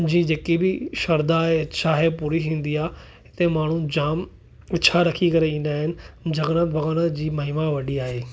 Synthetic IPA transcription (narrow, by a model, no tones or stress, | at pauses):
d͡ʑĩːd͡ʑeːkibɪʃɐɾd̪aːɦeɐt͡ɕʰaːɦepuːɾiɦĩːn̆d̪iaː | ɦɪt̪emaːɳ̤ũd͡ʑaːm | ɐt͡ɕʰaɾɐkʰikɐɾeĩːnd̪aːɦɪnɪ̆d͡ʑɐɡɽə̃bʱɐɡaːɽ̃əd͡ʑiːmɐɦɪmaʋɐɗiaːɦeː